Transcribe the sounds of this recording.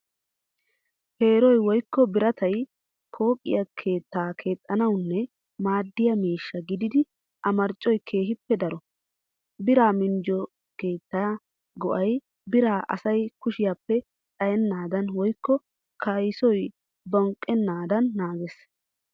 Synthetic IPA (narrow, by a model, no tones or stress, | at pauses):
he̞ːɾɔjwɔjkʰːɔbɪɾɐt̪ʰɐj | pʰo̞ːkʼːɪ̰jɐkʰe̞ːt̪ːaːkʰe̞ːt̪ʼːɐnɐwnːɛ | maːd̪ːɪjɐmiːʃːɐɡɪd̪ɪd̪ɪ | ʔɐmɐɾt͡ʃʼːɔjkʰe̞ːɦɪpːɛd̪ɐɾɔ | bɪɾaːmɪnd͡ʒɔ | ke̞ːt̪ːaː | ɡɔʔɐj | bɪɾaːʔɐ̰sɐjkʊʃɪjaːpːɛ | tʼɐjɛnːaːd̪ɐnwɔjkːɔ | kʰɐjsɔj | bɔŋkʼːɛnːaːd̪ɐnːaːɡɛs